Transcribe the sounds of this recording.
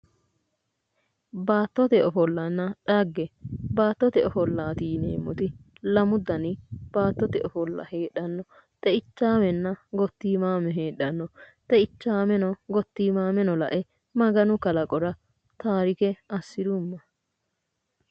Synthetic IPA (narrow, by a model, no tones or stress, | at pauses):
baːt̪ːɔt̪ɛɔfɔlːɐnːɐᶑɐɡːɛbaːt̪ːɔt̪ɛɔfɔlːaːt̪iːnḛːmːʊt̪ɪ | lɐmʊd̪ɐnɪb̥aːt̪ːɔt̪ɛʔɔfɔlːɐ̰heːɗːɐnːɔ | t̪ɛɪt͡ʃːaːmɛnːɐɡɔt̪ːiːmaːmɛɦe̞ːɗːɐnːɔt̪ɛɪt͡ʃːaːmɛnɔɡɔt̪ːiːmaːmɛnɔlɐ̰ʔɛ | mɐɡɐnʊkɐlɐkʼɔɾɐ | t̪aːɾɪkɛɐsːɪd̪ʊmːɐ